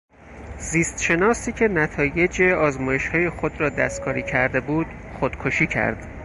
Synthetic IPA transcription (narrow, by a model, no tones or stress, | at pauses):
ziːst̪ʃe̞nɒːsiːcʰenæt̪ʰɒːje̞d͡ʒeɒːzmɒːje̞ʃhɒːje̞xod̪ɾɒːd̪æ̰st̪kʰɒːɾiːcʰæɾd̪e̞buːd̪̥ | xod̪̥kʰoʃiːcʰæ̰ɾd̪̥